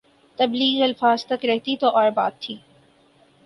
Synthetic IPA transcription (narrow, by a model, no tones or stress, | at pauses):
t̪ɐbliːɡiɐlfaːzt̪ɐkɾɛɦt̪it̪oʔɔːɾba̰ːt̪ʰːiː